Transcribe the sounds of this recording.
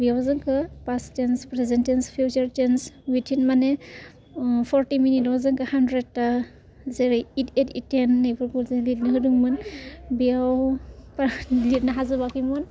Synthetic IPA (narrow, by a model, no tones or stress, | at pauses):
bijawzɯŋkʰɯpastenspɾezentenspʰut͡ʃaɾt͡ʃenswitʰinmane | pʰɔɾtiminitɔazɯŋkɯhandɾed̚ta | zeɾeitetitenːajpʰɯɾkʰulzelit̚naɦɯduŋmɯnbijawplit̚naɦazɯβakimɯn